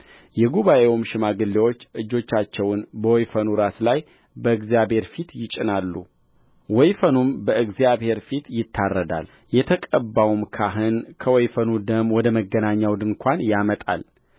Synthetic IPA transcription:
jɛɡuβaʔewumʃɪmaɡɨlːewo̞t͡ʃːʔɨd͡ʒːo̞t͡ʃːat͡ʃːɛwʊnbəwɔjfənuɾaslaj | bəɨɡzjabhe̞ɾfit̪jɪt͡ʃʼɪnalːṵ | wɔjfənumbəɨɡzijaβhe̞ɾfit̪jɪt̪ʰːarːəd̪a̰l | jɛt̪ʰəkʼəbːawumkʰaɦɨnkʰəwɔjfənud̪əmwɔd̪əməɡːənaɲːawd̪ɨŋkʷʰanjamət̪ʼa̰l

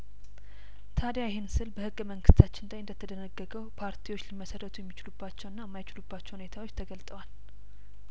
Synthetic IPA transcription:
t̪ʰad̪jajɛhensɨlbəhɨɡːəməŋɡɨst̪ʰat͡ʃːɪnd̪ajɨnd̪ət̪ʰəd̪ənəɡːəɡəwpʰaɾt̪ʰiwot͡ʃːliməsərːət̪ʰujɛmːit͡ʃɪlubːat͡ʃːɛwɨnːajɛmːajt͡ʃɪlubːat͡ʃːɛwhune̞t̪ʰawo̞t͡ʃːt̪ʰəɡəlt̪ʼəwal

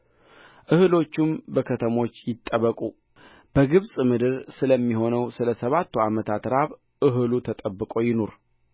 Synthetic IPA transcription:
ʔɨhɨlo̞t͡ʃːɪmbəkʰət̪ʰəmo̞t͡ʃːjɪt̪ʼːəβəkʼu | b̥əɡɨβsʼmɨd̪ɨɾsɨləmːiɦo̞nəwsɨləsəβat̪ːuamət̪ʰat̪ɾaβ | ʔɨɦɨlut̪ʰət̪ʼəbːɨkʼo̞jɪno̞ɾ

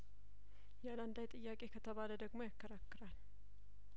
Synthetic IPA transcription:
jɛad̪and̪ajt̪ʼɨjːakʼe̞kʰət̪ʰəβaləd̪əɡmo̞jakːəɾakːɨɾal

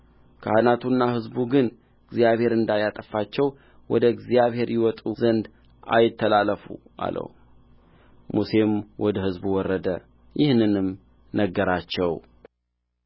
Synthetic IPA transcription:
kʰəʔanat̪ʰunːahɨzbuɡɨn | ɨɡzijaβhe̞ɾɨnd̪ajat̪ʼəfat͡ʃːɛw | wɔd̪əɡzijaβhe̞ɾjɪwɔt̪ʼuzənd̪ | ʔa̰jɪt̪ʰːəlalːəfṵʔa̰lə̰w | muse̞mwɔd̪əhɨzbuwɔrːəd̪ə | jɪhnɨnɨm | nəɡːəɾat͡ʃːɛw

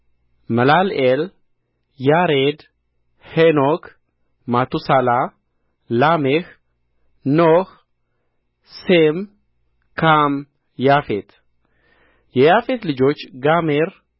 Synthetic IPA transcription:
məlalel | jaɾed̪ | henok | mat̪usala | lamex | noh | sem | kam | jafet̪ | jɛjafet̪lɨd͡ʒo̞t͡ʃːɡameɾ

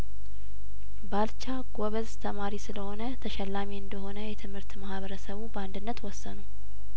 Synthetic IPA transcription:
balt͡ʃaɡoβəzt̪ʰəmaɾisɨləho̞nət̪ʰəʃɛlːamiɨnd̪əɦo̞nəjɛt̪ʰɨmhɨɾt̪mahβəɾəsəβubəand̪ɨnːət̪wɔsːənu

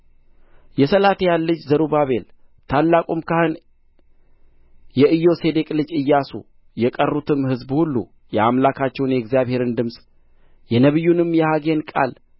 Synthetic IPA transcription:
jɛsəlat̪ejalːɨd͡ʒzəɾubaβe̞l | t̪ʰalːakʼomkahɨn | jɛʔɨjo̞se̞d̪e̞kʼlɨd͡ʒɨjːasṵ | jɛkʼərːut̪ʰɨmhɨzbhulːṵ | jɛamlakʰat͡ʃːɛwnjɛɡzijaβhe̞ɾɨnd̪ɨmsʼ | jɛnəβɨjːunɨmːjɛhaɡe̞nkʼa̰l

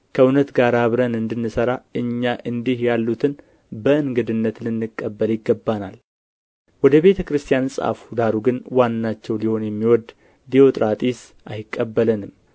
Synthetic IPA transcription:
kʰəunət̪ɡaɾaβɾənɨnd̪ɨnːɨsəɾaɨɲːaʔɨnd̪ihjalːut̪ʰɨn | bəɨnɡɨd̪ɨnːət̪lɨnːɨkʼːəbːəljɪɡːəbːanal | wɔd̪əβet̪ʰəkɾɨst̪ʰijansʼa̰fd̪aɾuɡɨnwanːat͡ʃːɛwliho̞njɛmːiwɔd̪ | d̪iot̪ʼɾat̪ʼis | ʔajɪkʼːəbːələnɨm

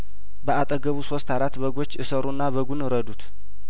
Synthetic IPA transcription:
bəʔat̪ʼəɡəβuso̞st̪aɾat̪ːbəɡo̞t͡ʃːɨsəɾunːaβəɡunɨɾəd̪ut̪

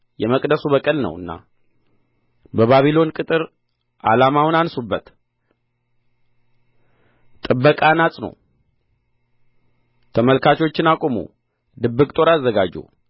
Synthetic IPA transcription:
jɛməkʼd̪əsuβəkʼəlnə̰wɨ̰nːa̰ | bəβaβilo̞nkʼɨt̪ʼɨɾ | ʔa̰lamawnansubːət̪ | t̪ʼɨbːəkʼanasʼnə̰w | t̪ʰəməlkʰat͡ʃo̞t͡ʃːɪnakʼomṵ | d̪ɨbːɨkʼt̪ʼo̞ɾazːəɡad͡ʒṵ

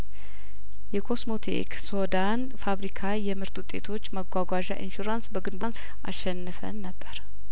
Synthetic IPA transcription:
jɛkʰo̞smo̞t̪ʰḛksod̪an | faβɾikʰajɛmɨɾt̪wʊt̪ʼːe̞t̪ʰo̞t͡ʃːməɡʷaɡʷaʒa̰ʔḭnʃuɾansbəɡɨnbans | ʔa̰ʃːɛnːɨfə̰nːəbːəɾ

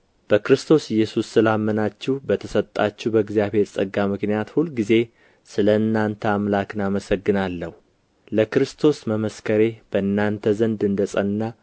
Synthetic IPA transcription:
b̥əkɾɨst̪ʰo̞sɪjːɛsusːɨlamːənat͡ʃːɪhbət̪ʰəsət̪ʼːat͡ʃːubəɡzijaβhe̞ɾsʼəɡːamɨknijat̪hulɡize̞ | sɨləɨnːant̪ʰəamlakɨnaməsəɡːɨnalːəhu | ləkɾɨst̪ʰo̞sməməskʰəɾe̞b̥əɨnːant̪ʰəzənd̪ɨnd̪əsʼənːa

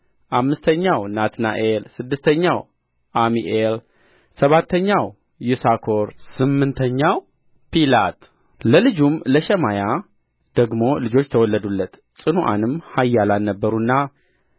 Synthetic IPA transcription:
ʔamːɨst̪ʰəɲːawnat̪na̰ʔelsɨd̪ːɨst̪ʰəɲːaw | ʔamiʔel | səβat̪ʰːəɲːaw | jusakʰo̞ɾsɨmːɨnt̪ʰəɲːaw | pilat̪ | ləlɨd͡ʒumləʃɛmaja | d̪̥əɡmo̞lɨd͡ʒo̞t͡ʃːt̪ʰəwɔlːəd̪ulːət̪ | sʼɨnuʔa̰nɨmhajːalalnəbːəɾunːa

